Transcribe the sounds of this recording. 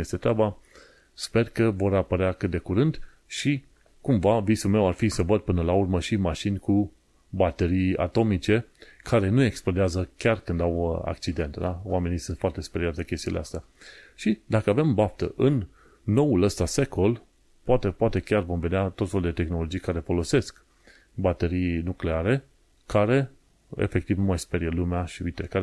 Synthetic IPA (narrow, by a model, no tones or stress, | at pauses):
jest̪e̞t̪ɾeaba | spe̞rkəvo̞ɾapəɾeakɨt̪̚d̪e̞kuɾɨnd̪ | ʃi | kumvavisulme̞warfisəvəd̪̚pɨnəlaurməʃimaʃinʲku | bat̪eɾija̰t̪o̞mit͡ʃe̞kʰaɾe̞nue̞ksplod̪eazəkʲarkɨnd̪awəa̰kt͡ʃid̪e̞nt̪d̪awame̞nisunt̪foart̪espeɾiat̪d̪ekʲe̞st̪iun̰lḛa̰st̪ea | ʃid̪akəave̞mbaft̪ə̰ʔɨnː | o̞uləst̪ase̞kʰo̞l | poat̪epoat̪e̞kʲarvo̞mve̞d̪eat̪o̞t̪felud̪e̞t̪e̞xno̞lo̞d͡ʒijkaɾe̞fo̞lo̞se̞sk | bat̪e̞ɾijnukle̞aɾe̞ | kaɾe̞ | ḛfe̞k̚t̪ivnumajspeɾielumeaʃiuit̪ekaɾe